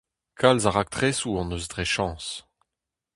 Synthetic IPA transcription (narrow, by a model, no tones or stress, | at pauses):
kʰalzaʁak̚t̪ʁesuɑ̃nøzdʁeʃɑ̃ːs